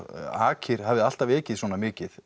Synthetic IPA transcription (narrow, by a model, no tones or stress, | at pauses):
a̰ːcʰɪɾ̥havðɪðal̥t̪avɛːcɪðswɔːnamɪːcɪð